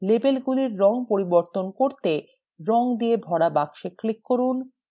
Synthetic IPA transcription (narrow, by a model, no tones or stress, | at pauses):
lebelɡuliɾːɔŋpoɾiboɾt̪onkoɾt̪e | ɾɔŋd̪iebʱɔɽabakʃeklikːoɾun